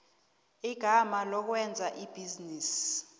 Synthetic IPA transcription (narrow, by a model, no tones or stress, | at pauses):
iɡ̥ʱamalɔk̬wɛnd͡zʱaʔib̥ʱiznis